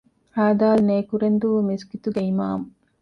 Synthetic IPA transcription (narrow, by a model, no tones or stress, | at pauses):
aːd̪aːlneːkuɾend̪uʋmisɡit̪uɡeima̰ːmu